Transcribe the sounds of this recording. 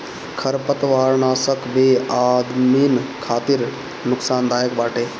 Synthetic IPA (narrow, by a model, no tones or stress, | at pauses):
kʰɐɾpət̪ʋaːɾnaːsəkbeːaːd̪miːnkʰaːt̪iɾ | nʊksaːnd̪aːjəkbaːʈʰeː